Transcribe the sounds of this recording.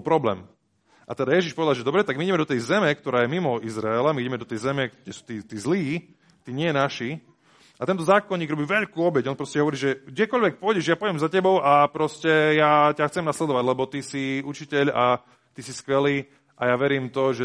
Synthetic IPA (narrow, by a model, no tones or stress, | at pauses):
pɾɔblɛ̰ːm | ʔa̰t̪ɛd̪ajɛʒiʃpɔʋɛd̪alˠʒɛd̪ɔbɾɛt̪aɡmiiɟɛmɛd̪ɔt̪ɛjzɛmɛkt̪ɔɾaːjɛmimɔizɾaɛlamiiɟɛmɛd̪ɔt̪ɛjzɛmɛkɟɛsu̥ːt̪iːt̪iːzliː | t̪iːɲɪɛjɛnaʃi | ʔat̪ɛnt̪ɔzaːkɔɲːiːɡɾɔbiːʋɛʎkuːɔbɛɟɔnpɾɔscɛɦɔʋɔɾiːʒɛɡ̚ɟɛkɔʎʋɛk̚pʊɔjɟɛʒjaːpɔɛmzacɛbɔʊʔapɾɔscɛjaːcaxt͡sɛmnaslɛd̪ɔʋaɟlɛbɔt̪isiut͡ʃicɛʎa | t̪isiskʋɛliː | ʔajaːʋɛɾiːmt̪ɔʒɛ